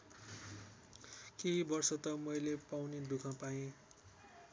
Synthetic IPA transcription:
kebʌrsʌt̪ʌmʌjlepawned̪ukʰãpaĩ

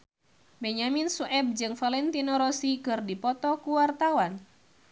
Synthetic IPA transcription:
bɛɲaminsuʔɛb̚d͡ʒɨŋfalɛnt̪inɔɾɔsikɨrdipɔt̪ɔkuwart̪awan

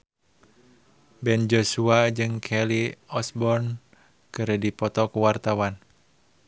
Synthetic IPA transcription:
bɛnd͡ʒosuad͡ʒɨŋkʰɛliɔsbɔn | kɨɾədipɔt̪ɔkuwart̪awan

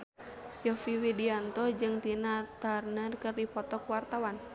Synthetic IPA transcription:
jɔfiwidiant̪ɔd͡ʒɨŋt̪inat̪arnərkɨrdipɔt̪ɔkuwart̪awan

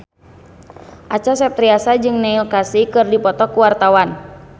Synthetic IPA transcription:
ʔat͡ʃasɛp̚t̪ɾiasad͡ʒɨŋnɛilkasikɨrdipɔt̪ɔkuwart̪awan

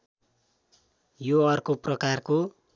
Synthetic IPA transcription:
joʌrkoprʌkarko

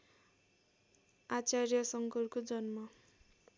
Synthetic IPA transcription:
at͡saɾjʌsʌŋkɔɾkod͡zʌnmʌ

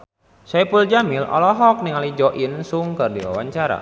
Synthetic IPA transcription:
sapuld͡ʒamilɔ̰lɔɦɔk̚niŋalid͡ʒɔʔinsuŋkərdiwa̰waɲt͡ʃaɾa̰

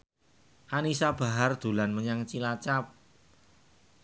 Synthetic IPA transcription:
ʔanisab̥a̤ɦard̪̥ṳlanməɲaŋt͡ʃilat͡ʃap̚

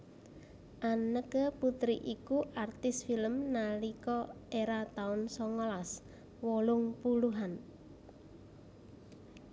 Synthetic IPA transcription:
ʔanəkəput̪ɾiʔikuʔart̪ɪsfiləmnalikɔeɾat̪aʊnsɔŋɔlas | wɔlʊŋpuluɦan

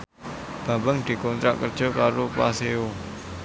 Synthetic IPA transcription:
b̥a̤bəŋd̪̥i̤kɔnt̪ɾa̰ʔkərd̥ʒ̥ɔ̤kaɾopaseo

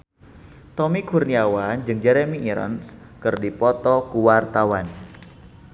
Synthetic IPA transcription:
t̪ɔmikurniawand͡ʒɨŋd͡ʒɛɾemiʔːɾɔ̰ns | kɨrdipɔt̪ɔkuwart̪awan

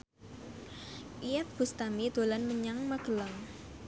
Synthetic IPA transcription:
ʔijɛt̪̚b̥ṳst̪amid̪̥o̤lanməɲaŋməɡ̥əlaŋ

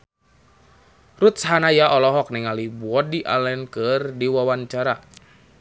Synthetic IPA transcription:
rut̪̚saɦanajaʔɔlɔɦɔk̚nɛŋalibuɔdiʔa̰lɛnkɨrdiwawaɲt͡ʃaɾa

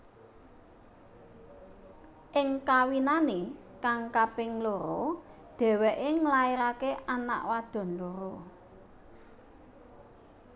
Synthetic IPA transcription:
ʔɪŋkawinane | kaŋkapɪŋloɾo | d̪̥ɛ̤wɛʔeŋlaeɾakeʔana̰ʔwad̪̥ɔ̤nloɾo

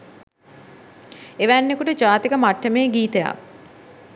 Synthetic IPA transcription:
eʋænːekuʈəd͡ʒaːt̪ikəmaʈːəmeːɡiːt̪eja̰

